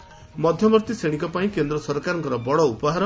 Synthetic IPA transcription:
mɔd̪ʱjɔmɔɾt̪iseɽ̃ikɔpaĩkend̪ɾɔsɔɾkaɾɔŋkɔɾɔbɔɽɔupɔɦaɾɔ

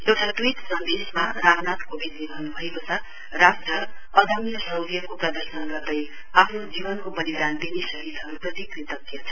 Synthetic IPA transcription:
ewʈʰaʈwit̪sʌnd̪esmaramnat̪kobid̪niɾʌɦnubʱʌekot͡sʰʌ | rasʈrʌːd̪ʱʌmjʌsʌwɡijʌkoprʌd̪ʌrsʌnɡʌrd̪ʌj | apʰnod͡zibʌnkobʌlid̪and̪inisʌɦid̪ɦʌɾuprʌt̪ikrit̪ʌkːjʌt͡sʰʌ̥

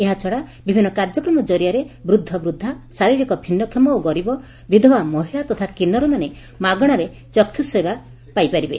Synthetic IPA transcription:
eɦat͡ʃʰɔɽabibʱinːɔkaɾd͡ʒɔkɾɔmɔd͡ʒɔɾijaɾebɾud̪ʱːɔbɾud̪ʱːasaɾiɾikɔbʱinːɔkʰemɔoɡɔɾibɔ | bid̪ʱɔbamɔɦiɭat̪ɔt̪ʰakinɔɾɔmane | maɡɔɽ̃aɾe | t͡ʃɔkʰjusɔeba | pajpaɾibḛ

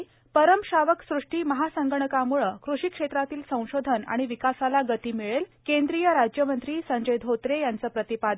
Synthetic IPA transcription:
pəɾəmɕaʋəksɾuʂʈiːməɦasəŋɡəɳəkamuɭəkɾuɕikʂet̪ɾat̪iːlsə̃w̃ɕod̪ʱəna̰ɽ̃iʋikasalaɡət̪iːmiɭelkẽnd̪ɾijəɾad͡ʑjəmənt̪ɾiːsəɲd͡ʑəjd̪ʱɦot̪ɾejant͡səːpɾət̪ipad̪

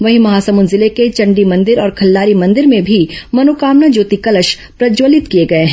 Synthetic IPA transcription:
ʋɐɦimɐɦaːsɐmʊːnzɪleket͡ʃɐ̃ɳɖimɐ̃nd̪ɪɾɔːɾkʰɐlːaːɾimɐ̃nd̪ɪɾmẽbʱimɐnoːkaːmnad͡ʒoːt̪ikɐləʃ | pɾɐd͡ʒoːlɪt̪kijeɡɐeɦɛ̃

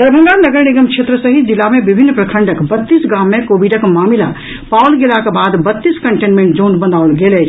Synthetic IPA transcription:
d̪əɾbʱə̃ŋɡanəɡəɾniɡəmkʃʰet̪ɾəsəɦid͡ʒilːamẽbibʱinːpɾəkʰəɳɖəkbət̪ːisɡãmːẽkobiɖəkmaːmila | pawlɡelakebaːd̪bət̪ːiskəɳʈenmẽɳʈ̚d͡ʒõnɖbənd̪aʊlɡelɛt͡ʃʰ

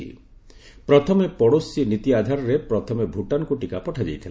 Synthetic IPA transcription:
ḭ | pɾɔt̪ʰɔmepɔɽosinit̪iad̪ʱaɾɔɾepɾɔt̪ʰɔmebʱuʈanɔkuʈikapɔʈʰad͡ʒejt̪ʰila

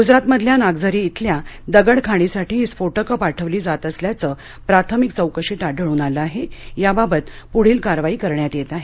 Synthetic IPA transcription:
ɡud͡zɾat̪məd̪ʱljanaɡd͡zəɾiːt̪ʰlja | d̪əɡəɽkʰaɽ̃isaʈiːit͡sfoʈəkəpaʈʰəʋliːd͡zat̪əsljat͡səː | pɾat̪ʰəmik̚t͡səwkəɕit̪aɖʱəɭuːnaləaɦejababət̪ | puɽ̤iːlkaɾʋaiːkəɾɳjat̪jet̪aɦe

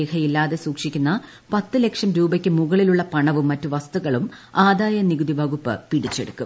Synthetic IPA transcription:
ehɐjilːaːðe̞suːkʂikʲːunːɐ | pɐt̪ːɨle̞kʂɐmɾuːbɐkʲːɨmuɣɐɭiluɭːɐpɐɳɐʋumːɐtːuʋɐst̪uɣɐɭum | aːd̪aːjɐniɡud̪ibʱɐɣupːɨ̰piɽit͡ɕːe̞ɽukːum

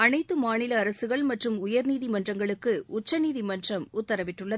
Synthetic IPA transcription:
ɐnɐɪt̪ːɯmaːnɪlɐːɾɐsɯɣɐɭmɐʈrɯmʊjɐɾniːðimɐndrɐŋɡɐɭɯkːɯʊt͡ʃːɐniːðimɐndrɐmʊt̪ːɐɾɐʋɪʈːɯɭːɐ

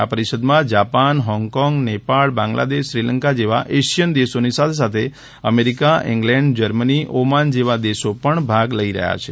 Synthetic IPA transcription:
apəɾiʃəd̪mãd͡ʒapanɦɔŋɡkɔŋɡnepaɭbãŋɡla̰d̪eʃːɾiləŋkad͡ʒeʋaʔeʃijənd̪eʃonisat̪ʰes̬at̪ʰe | əmeɾikaʔḭ̃ŋɡlɛ̃ɳɖd͡ʒəɾməniʔomand͡ʒeʋad̪eʃopəɳbʱaɡləiɾə̰ɦja̰t͡ʃʰe

